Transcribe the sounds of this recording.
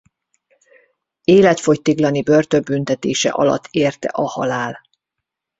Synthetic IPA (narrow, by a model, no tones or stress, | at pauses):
eːlɛt̪fo̞ct̪iɡlɒnibø̞rt̪øbynt̪ɛt̪eːʃɛ̰ʔɒlɒ̰t̪ːeːrt̪ɛ̰ʔɒhɒlaːl